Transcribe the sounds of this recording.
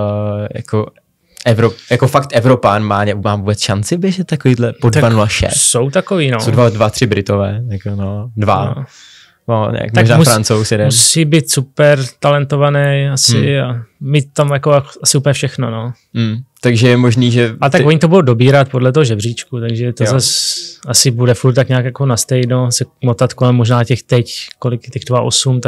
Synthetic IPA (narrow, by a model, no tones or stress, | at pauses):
ja̰ko | ʔɛvɾopjakofakt̪ʔɛvɾopanmaːɲɛumaːvubɛt͡sʃant͡sɪbjɛʒɛt̪tːakoviːdlɛpod̪avanulaʃɛ̰ssowt̪akoviːnossowdvadvat̪r̥ɪbɾɪt̪ovɛːjakonodva | noɛ̰kmaoʒnaːmufɾant͡sowsjɛdɛmusiːbiːt̪supɛɾt̪alɛnt̪o̞vanɛjasɪamiːt̪̚ːamjakoasɪuplɲɛfʃɛxnono̞ | t̪aɡʒɛjɛmoʒniːʒɛalɛt̪akkvoɲɪt̪obudowdobiːɾat̪podlɛt̪̬oɦoʒɛbr̝iːt͡ʃkut̪aɡʒɛt̪ozasasɪbudɛfuɾt̪t̪ːakɲaːkjakonast̪ɛjnosɛmot̪at̪kolɛmːoʒnaːcɛxt̪ɛckolɪkt̪ɛɣdvaʔosumt̪a